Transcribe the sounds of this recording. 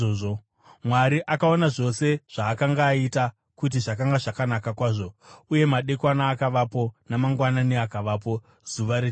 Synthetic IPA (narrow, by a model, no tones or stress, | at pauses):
oʐo | mwaɾiʔakaonaʐo̞se̞ʐ̥aːkaŋɡaːita | kut̬iʐakaŋɡaʐakanakakwaːʐo̞uje̞maɗe̞kwanaːkaʋapo̞namaŋɡwananeakaʋaːp̬o̞ | zuʋaɾe